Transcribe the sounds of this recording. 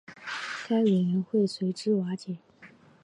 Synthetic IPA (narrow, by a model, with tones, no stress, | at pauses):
kʰa˥ɪwe˨˩ɥɛ˧˥nxwe˥˩ɪswe˧˥ɪʈ͡ʂɻ̩˥wa˧˥t͡ɕjɛ˨˩˦